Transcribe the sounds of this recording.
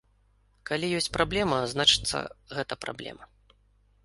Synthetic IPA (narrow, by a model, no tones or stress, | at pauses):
kalʲijɔsʲt͡sʲpɾablʲɛmɐznat͡ʂɨ̥t̪sːɐ̰ɣɛt̪ɐpɾa̰blʲɛ̰mɐ